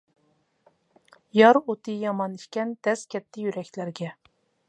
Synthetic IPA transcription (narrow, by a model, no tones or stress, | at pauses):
jɑɾot̪ʰɨjɑmɑniʃkʲɛnd̪̥ɛskʲʰɛt̪ʰːɪjyɾɛkʲlæɾɡʲɛ